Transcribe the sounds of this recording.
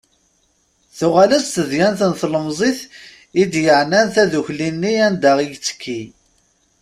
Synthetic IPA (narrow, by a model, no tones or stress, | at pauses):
θʊʁaləsθəðjænθənθləmzˤiθ | id̪jəʕnænθæðuçlinːiænd̪aʁijt͡sːə̥kʰːi